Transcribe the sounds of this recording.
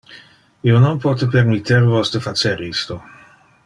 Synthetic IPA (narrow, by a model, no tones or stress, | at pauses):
iononpɔːt̪epermit̪ʰːervosd̪efat͡ʃeɾist̪o